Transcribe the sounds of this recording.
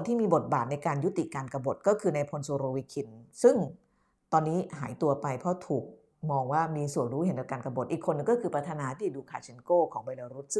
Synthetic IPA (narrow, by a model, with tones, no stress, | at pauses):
nt̪ʰiː˥˩miː˧bo˨˩t̪̚baː˨˩t̪̚na˧jkaː˧nju˦˥t̪ḭ˨˩kaː˧nka˧bo˨˩t̪̚kɔː˥˩kʰɯː˧na˧jpʰo˧nsoː˧ɾoː˧wi˦˥kʰi˧nsɯ˥˩ŋ | t̪ɔː˧nːiː˦˥ɦaː˩˦jt̪u˧ɐpa˧jpʰɾɔ˦˥t̪ʰuː˨˩k̚ | mɔː˧ŋwaː˥˩miː˧su˨˩ənɾuː˦˥he˩˦nka˨˩p̚kaː˧nka˧bo˨˩t̪̚ʔiː˨˩kʰːo˧nːɯ˨˩ŋkɔː˥˩kʰɯː˧pɾa˦˥t̪ʰa˧naː˧t̪ʰiː˥˩duː˧kʰaː˧˩t͡ɕʰi˧nkoː˥˩kʰɔː˩˦ŋbe˧jla˧ɾu˦˥t̪̚sɯ˥˩